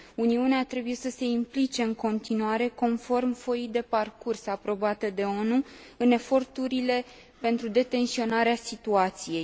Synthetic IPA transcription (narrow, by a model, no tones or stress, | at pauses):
uniuneat̪ɾe̞buje̞səse̞implit͡ʃe̞ɨŋko̞nt̪inuaɾe̞ko̞nfo̞rmfo̞jid̪e̞parkursapɾo̞bat̪əd̪e̞o̞nu | ɨne̞fo̞rt̪uɾile̞ | pe̞nt̪ɾud̪e̞t̪e̞nsio̞naɾeasit̪uat̪sije̞j